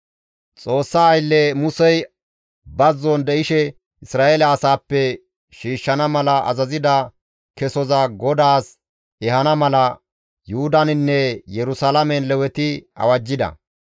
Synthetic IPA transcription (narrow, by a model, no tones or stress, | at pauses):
t͡sʼo̞ːsːaːjlːɛmʊsɛj | bɐzːɔnd̪ɛɪʃɛ | ʔɪsɾaːelɐːsaːpːɛ | ʃiːʃːɐnɐmɐlɐʔɐ̰zɐzɪd̪ɐ | kɛsɔzɐɡɔd̪aːs | ɛhɐnɐmɐlɐ | jʊʊd̪ɐnɪnːɛjɛɾʊsalɐmɛnlɛwɛt̪ɪɐ̰wɐd͡ʒːɪd̪ɐ̰